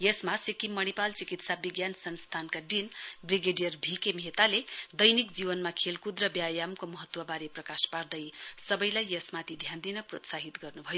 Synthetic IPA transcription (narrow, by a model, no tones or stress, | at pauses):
jesmasekimːʌñipalt͡sikit̪sabiɡjansʌnst̪ʰankaɖinbriɡeɖijʌrbʱikemet̪aled̪ʌjnikd͡zibʌnmakʰelkud̪rʌbjajamkomʌɦʌt̪ːwʌbaɾeprʌkaspard̪ʌjsʌbʌjlajːʌsmat̪id̪ʱjand̪inʌprot̪saɦit̪ɡʌrnubʱʌjo